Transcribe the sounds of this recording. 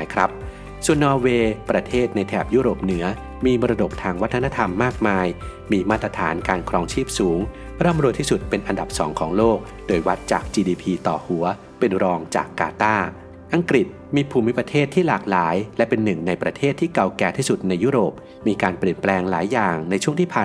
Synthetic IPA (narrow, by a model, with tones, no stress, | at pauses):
jkʰɾa˦˥p̚ | su˨˩ənːɔː˧weː˧pɾa˧t̪ʰeː˥˩t̪̚na˧jt̪ʰɛː˨˩p̚juː˦˥ɾoː˨˩p̚nɯ˩˦ɐ | miː˧mɔː˧ɾa˧do˨˩k̚t̪ʰaː˧ŋwa˦˥t̪ʰːna˥t̪ʰa˧mːaː˥˩k̚maː˧j | miː˧maː˥˩t̪̚ːɾa˧t̪ʰa̰ː˩˦nkaː˧nkʰɾɔː˧ŋt͡ɕʰiː˥˩p̚suː˩˦ŋ | ɾɤː˥˩mɾu˧t̪ʰiː˥˩su˨˩t̪̚pe˧nʔa˧nda˨˩p̚sɔ̰ː˩˦ŋkʰɔː˩˦ŋloː˥˩k̚ | doː˧jwa˦˥t̪̚t͡ɕa̰ː˨˩k̚t͡ɕiː˧diː˧pʰiː˧t̪ɔː˨˩hu˩˦ɐ | pe˧nɾɔː˧ŋt͡ɕa̰ː˨˩kːa̰ː˧t̪aː˥˩ | ʔa˧ŋkɾi˨˩t̪̚miː˧pʰuː˧˩mi˦˥pɾa˧t̪ʰeː˥˩t̪ʰːiː˥˩laː˨˩k̚laː˩˦jlɛ˦˥pe˧nːɯ˨˩ŋna˧jpɾa˧t̪ʰeː˥˩t̪ʰːiː˥˩ka˧˩wkɛː˧˩t̪ʰiː˥˩su˨˩t̪̚na˧jːuː˦˥˩ɾoː˨˩p̚ | miː˧kaː˧npli˨˩ənplɛː˧ŋlaː˩˦jːaː˨˩ŋna˧jt͡ɕʰu˥˩ŋt̪ʰiː˥˩pʰaː˨˩